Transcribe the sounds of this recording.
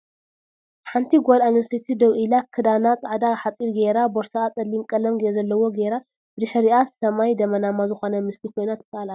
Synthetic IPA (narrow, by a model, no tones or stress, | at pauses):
ħant̪ʰiɡʷolanɐɾsit̪ʰid̪ɐwʔilakʰɨd̪anat͡sʼaʕd̪aħat͡sʼiɾɡeɾaboɾsaat͡sʼɐlːimkʼɐlɐmɡeezɐlːɐwo̞ɡeɾa | bɨd̪ɨħɾiasɐmajd̪ɐmɐnamazɨxo̞nɐmɨslikʰo̞jnat̪ʰːɐ̥t̪ʼalal